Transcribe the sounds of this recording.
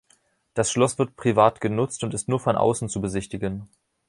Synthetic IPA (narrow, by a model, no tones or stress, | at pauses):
d̥asʃlɔsv̥ɪɐt̚pʁ̥ivaːtɡ̥ənʊt͡stʊntɪstnuːɐfɔnʔa̰ʊsn̩t͡subəzɪçtɪɡən